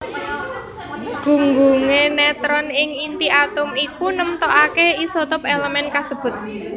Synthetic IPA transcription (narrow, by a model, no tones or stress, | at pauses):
ɡ̥ṳŋɡuŋenɛt̪ɾɔnɪŋint̪iat̪ʊmikunəmt̪ɔʔakeisot̪ʊpeləmɛnkasəb̥ʊ̤t̪̚